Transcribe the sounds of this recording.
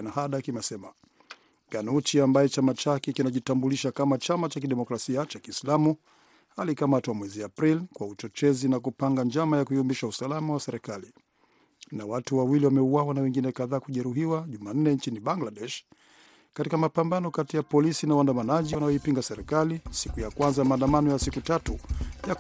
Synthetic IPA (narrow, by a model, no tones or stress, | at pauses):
nahaɗakimɛsɛma | ɡanut͡ʃiambajɛt͡ʃamat͡ʃakɛkinaʄitambuliʃakamat͡ʃamat͡ʃakiɗɛmɔkɾasiat͡ʃakiːslamu | halikamatwamwɛziapɾilkwaut͡ʃɔt͡ʃɛzinakupaŋɡand͡ʒamajakuiɔmbiʃausalamawasɛɾɛkali | nawatuwawiliwamɛuwawanawɛŋɡinɛkaðaːkuʄɛɾuɦiwaʄuman̩nɛnt͡ʃiniɓaŋɡlaɗɛʃ | katikamapambanɔkatijapɔlisinawandamanaʄiwanajɔipiŋɡasɛɾɛkalisikujakwanzamaːndamanɔjasikutatuja